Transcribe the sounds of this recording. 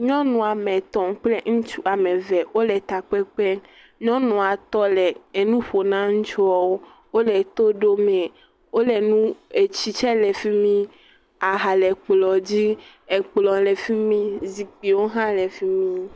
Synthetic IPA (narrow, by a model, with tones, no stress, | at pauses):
ɲɔ̃˦nũ˨a˨mɛ̃˨t̪ɔ˨ŋ˦k͡ple˦ŋ̩̃˦t͡ʃu˦a˨mɛ˨vɛ˨wo˦lɛ˨t̪a˨k͡pɛ˦k͡pɛ˦ | ɲɔ̃˦nũ˨a˨t̪ɔ˦lɛ˨e˨nũ˦ɸo˨nã˦ŋ̩˦t͡ʃɔ˨wo˦ | wo˦lɛ˨t̪o˦ɖo˦mɛ˨ | wo˦lɛ˨nũ˦e˨t͡ɕi˦t͡ʃɛ˦lɛ˨fi˦mĩ˦ | a˨ɦa˨lɛ˨k͡plɔ˨d͡ʑi˦ | e˨k͡plɔ˨lɛ˨fi˦mĩ˦zi˨k͡pi˨wo˦ɦã˦lɛ˨fi˦mĩ˦